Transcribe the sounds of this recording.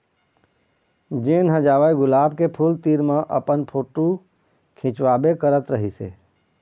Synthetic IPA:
d͡ʒeːnɦəd͡ʒaːʋəjɡʊlaːb̚kepʰuːlt̪iːɾmãʔə̰pənpʰoːʈu | kʰɪ̃t͡ʃʋaːbekəɾət̪ɾəɦisḛː

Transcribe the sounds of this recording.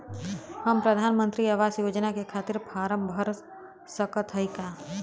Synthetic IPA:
hɐmpɾɐd̪ʱaːnmə̃nt̪ɾiaʋaːsjoːd͡ʒnakekʰaːt̪ɪɾpʰaːɾəmbʱəɾ | səkət̪ʰəjkaː

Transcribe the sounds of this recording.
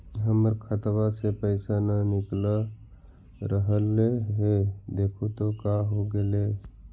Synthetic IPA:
ɦəməɾkʰət̪wasepəɪsananɪkla | ɾəɦəleɦed̪eːkʰut̪okaɦoɡəle

